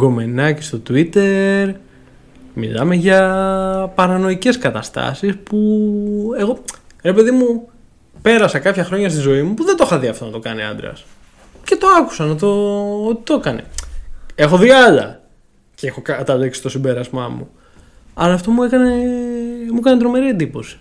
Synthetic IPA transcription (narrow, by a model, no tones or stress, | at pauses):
ɡo̞me̞nɐce̥st̪o̞t̪uit̪e̞ɾ | mḭlɐ̰me̞ʝɐ | pɐɾɐno̞ice̞skɐt̪ɐst̪ɐ̰sispu | e̞ɣo̞ɾe̞pe̞ðimu | pe̞ɾɐsɐkɐpçɐxɾo̞ɲɐst̪izo̞imupuðe̞nd̪oxɐðiɐft̪o̞nɐt̪o̞kɐniɐ̰nd̪ɾɐ̰s | ce̞t̪o̞ɐku̥sɐnɐt̪o̞ot̪i̥t̪okɐnḛ | e̞xo̞ðiɐlɐ̰ | ceexokɐt̪ɐleksi̥st̪o̞simbe̞ɾɐzmɐmṵ | ɐlɐːft̪o̞muekɐne | mukɐnet̪ɾo̞me̞ɾiend̪ipo̞si̥